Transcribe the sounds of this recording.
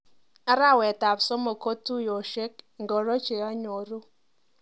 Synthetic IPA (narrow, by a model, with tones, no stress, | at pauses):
a˦ɾa˦˨wɛ˨ta˨pso˦mo˨ko˦tu˦jo˨ʃe˦kŋ˨ɡo˨ɾo˦t͡ʃe˨ɔ˦ɲo˨ɾu˦